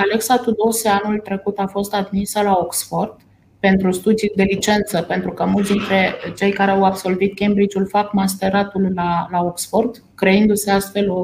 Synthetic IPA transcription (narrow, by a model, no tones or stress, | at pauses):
ale̞ksat̪ud̪o̞seanult̪ɾe̞kut̪afo̞st̪ad̪misəlaoksfo̞rd̪̥ | pe̞nt̪ɾust̪ud̪ijd̪e̞lit͡ʃe̞nt̪səpe̞nt̪ɾukəmult̪sd̪int̪ɾe̞t͡ʃe̞jkaɾeawabso̞lvit̪̚kʲembɾit͡ʃulfakmast̪e̞ɾat̪ullalaoksfo̞rd̪ | kɾe̞ɨnd̪use̞ast̪fe̞lo